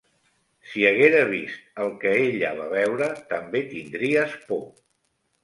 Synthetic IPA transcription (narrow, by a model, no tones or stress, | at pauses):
siəɣ̞eɾəβ̞ist̪̚əlˠkəeʎə̰β̞aβɛwɾət̪əmbet̪ind̪ɾiəspo